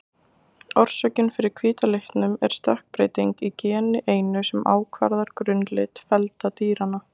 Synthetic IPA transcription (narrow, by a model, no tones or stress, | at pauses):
ɔr̥sœcɪnfɪɾɪɾ̥kʰviːt̪aleht̪nʏmɛ̰ɾ̥st̪ahk̚pɾeːjt̪iŋkicɛːnɪʔeːjnʏsɛma̰ːwkʰva̰ɾðaɾ̥kɾʏnːlɪt̪fɛlt̪at̪iːɾanːa